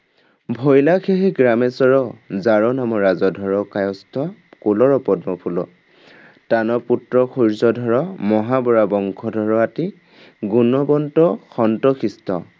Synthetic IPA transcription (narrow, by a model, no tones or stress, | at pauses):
bʱɔjlakʰeɦiɡɹamɛsɔɹɔzaɹɔnamɔɹazɔdʱɔɹɔkajɔstʰɔkulɔɹɔpɔdmɔpʰulɔ | tanɔputɹɔkʰuɹzɔdʱɔɹɔmɔɦabɔɹabɔŋkʰɔdʱɔɹɔati | ɡunɔbɔntɔxɔntɔkʰistɔ